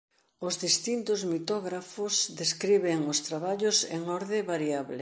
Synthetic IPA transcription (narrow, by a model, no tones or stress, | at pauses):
ʊzðist̪int̪ʊzmit̪ɔɣɾafʊsd̪eskɾiβeŋʊst̪ɾaβaʎʊsḛŋɔɾðɪβaɾiaβlɪ̰